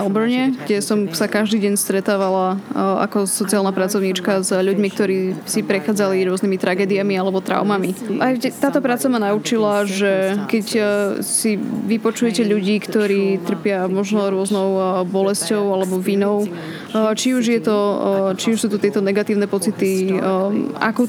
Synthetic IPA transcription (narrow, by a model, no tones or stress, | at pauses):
ɛlbɔɲɛɡɟɛsɔmsakaʒd̪iːɟɛɲst̪ɾɛt̪aːʋalaa̰kɔsɔt͡sialnapɾat͡sɔʊɲit͡ʃkazʎuɟmik̚t̪ɔɾiːsipɾɛxaːd͡zaliɾʊɔznimit̪ɾʔaɡɛːd̪iamialɛbɔt̪ɾa̰ʊmamiʔajɛt̪ːaːt̪ɔpɾaːt͡samanaut͡ʃilaʒɛkɛcsiʋipɔt͡ʃujɛcɛʎuɟiːkt̪ɔɾiːt̪r̩pɪamɔʒnɔɾʊɔznɔʊbɔlɛscɔʊalɛbɔʋinɔʊ | t͡ʃiuʒjɛt̪ɔt͡ʃiuʃsuːt̪ut̪ɪɛt̪ɔnɛɡat̪iːʊnɛpɔt͡sit̪i | a̰ku